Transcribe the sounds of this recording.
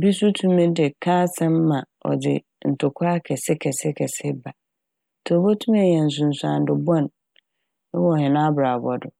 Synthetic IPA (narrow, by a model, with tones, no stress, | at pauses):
bi˦su˦tʰũ˦mĩ˦dɪ˨kʰãː˦sɛ̃˦mː˦ã˨ | ɔ̰˨dɪ̰˨ | n̩˨tʰʊ˨kʰʊ˦a˦kʰɛ˨sɪ˦kʰɛ˨sɪ˦kʰɛ˨sɪ˦ba˨ | tʰo˨bo˦tʰũ˦m˦ɛ˨jɛ̃˨n̩˨s̬ʊ̃˨n̩˨sʊ˨ã̰˨n˨dʊ˨bɔ̃˦˨n˦ | wɔ˦˨hɪ̃˨nã˦bɾa˨bɔ˨dʊ˨